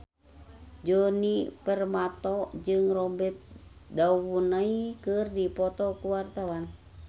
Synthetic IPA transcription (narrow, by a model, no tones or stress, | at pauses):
d͡ʒonipərmat̪ɔd͡ʒɨŋrɔbɛt̪̚dauwunaikɨrdipɔt̪ɔkuwart̪awan